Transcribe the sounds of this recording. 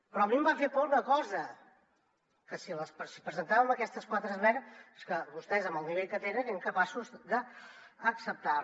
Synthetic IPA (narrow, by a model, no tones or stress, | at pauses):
pɾɔmimbafepɔlunəkɔzə | kəsiləspsi̥pɾəzənt̪aβəməkɛst̪əskwat̪ɾəzlɛɾskəβust̪ɛzəməlˠniβeʎkət̪enəneŋkəpasuzd̪əː | ksəp̚t̪a